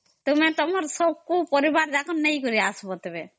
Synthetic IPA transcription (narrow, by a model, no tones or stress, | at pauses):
t̪omet̪ɔmaɾsɔb̚kupɔɾibaɾd̪ɛkʰɔnːejkoɾiasbot̪ebe